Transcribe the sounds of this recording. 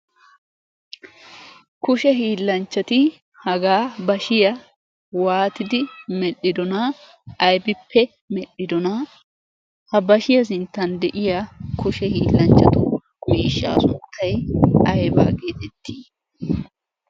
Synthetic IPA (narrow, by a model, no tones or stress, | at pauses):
kʊʃɛɦiːlːɐnt͡ʃːɐt̪ɪ | hɐɡaːbɐʃɪjɐ | waːt̪ɪd̪ɪmɛɗːɪd̪ɔnɐː | jbɪpːɛ | mɛᶑɪd̪ɔnɐ | hɐbɐʃɪjɐs̬ɪnt̪ːɐnd̪ɛʔɪjakʊʃɛhiːlːɐnt͡ʃːɐt̪ʊ | miːʃːa̰ːsʊnnt̪ʰːɐjɐjba̰ːɡe̞ːt̪ɛt̪ʰːiː